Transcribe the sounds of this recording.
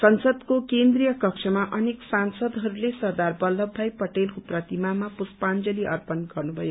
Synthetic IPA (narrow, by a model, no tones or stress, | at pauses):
sʌnsʌd̪kokend̪rijʌkʌkt͡ʃʰʌmaʔʌneksansʌd̪ɦʌɾulesʌrd̪arbʌlːʌbʱːajpʌʈelkoprʌt̪imamapuspand͡zʌliʔʌ̰rpʌnɡʌrnubʱʌjo